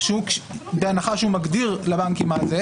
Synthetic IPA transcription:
ʃeukbeanaχaʃeumaɡd̪iʁlabaŋkimaze

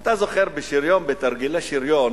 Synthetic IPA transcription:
at̪azoχeɾbeʃiɾjonbet̪aɾɡilaʃiɾjon

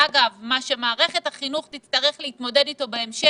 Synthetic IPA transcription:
aɡavmaʃe̞maːʁe̞χe̞thaχinuχtit̪st̪aʁeχleit̪mo̞dedito̞beemʃe

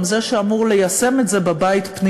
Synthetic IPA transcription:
mzeʃeamuʁle̞jase̞metze̞babait̪pni

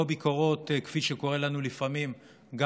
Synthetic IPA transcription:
obiko̞ʁo̞tkfiʃeko̞ʁe̞lanulifamim | ɡa

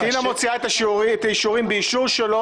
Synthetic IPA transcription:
tinamot͡siaet̪aet̪ajiʃuʁimbeiʃuʁʃelo

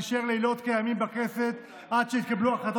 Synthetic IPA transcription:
ʃeʁleilo̞t̪kejamimbakeset̪ | ʔad̪ʃeit̪̚kabluaχat̪

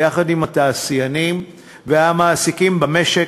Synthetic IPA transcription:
jaχad̪imat̪aːsijanim | veamaːsikimbameʃe

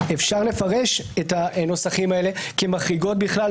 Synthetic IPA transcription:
efʃaʁle̞faʁe̞ʃethano̞saχimaele̞kemaχʁiɡo̞t̚biχla

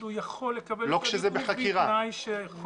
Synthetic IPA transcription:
ujaχo̞lːekabelo̞kʃezebeχakkiʁanajʃe

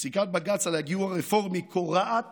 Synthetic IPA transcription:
sikat̪̚baɡat͡salaɡiuaʁefoʁmikʰoʁaat̪

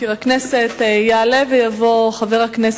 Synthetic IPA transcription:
iʁakneset̪jaalevejavoχaveʁaknes

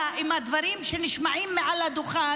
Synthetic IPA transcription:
ʔimad̪vaɾimʃeniʃmaʕimːeʕalad̪oχa

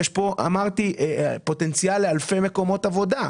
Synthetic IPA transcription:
jeʃpo̞ʔa̰maʁt̪iepo̞t̪e̞nt͡sjalːealfe̞me̞ko̞mo̞tavo̞da

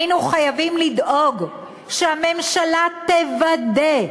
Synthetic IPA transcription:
nuχajavimlid̪ʔo̞ɡ | ʃehame̞mʃalat̪evad̪e

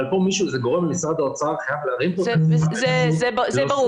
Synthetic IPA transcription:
lpomiʃuzeɡo̞ʁemlemisʁad̪aot͡saaʁχajavleaʁimpozzezebazɛbaʁu

